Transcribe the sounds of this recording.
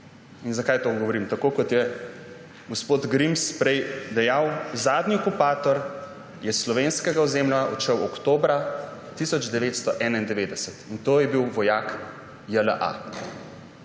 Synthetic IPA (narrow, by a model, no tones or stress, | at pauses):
inzakajt̪oːɡɔʋɔɾimt̪akoːkɔt̪jɛ | ɡospot̪ɡɾimspɾɛjd̪ɛjawzaːd̪niɔkupaːt̪ɔɾ | jɛslɔʋeːnskɛɡaɔzeːmlaɔ̰t͡ʃəwɔkt̪oːbɾa | t̪isɔd͡ʒd̪ɛʋeːt̪st̪ɔʔɛːnaind̪ɛʋeːd̪ɛsət̪int̪oːjɛbiwʋɔjaːk | jələʔa̰